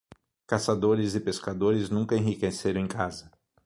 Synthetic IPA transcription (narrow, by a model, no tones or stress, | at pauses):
kasad̪oɾɪzɪpeskad̪oɾɪznũkɐẽɦikeseɾɐ̃ẽkazɐ